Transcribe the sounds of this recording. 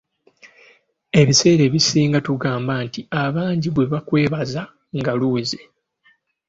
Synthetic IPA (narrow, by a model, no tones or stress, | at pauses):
e̞βise̞ːɾe̞βisiːŋɡatuɡaːmbantiaβaːɲɟiβwe̞βakwe̞ːβaza | ŋɡaluːze